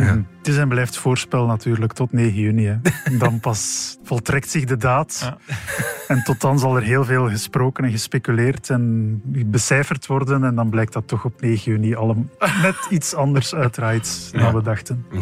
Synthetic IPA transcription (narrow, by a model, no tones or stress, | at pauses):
tɪsɛnblɛjftfoːrspɛlˠnɑtyːrləktɔtneːɣəjyniɛdɑnpɑsv̥ɔlˠtrɛk̚tsɪɣdədaːt | ɛntɔtɑnzɑlˠɛrɦeːlˠveːlˠɣəsproːkənɛnɣəspekyleːrtɛnbəsɛːfərtʋɔrdənɛndɑnblɛjk̚tdɑtːɔxɔpneːɣənyniɑlˠəmmɛtitsɑndərsœːtraːjtnaːʋədɑxtən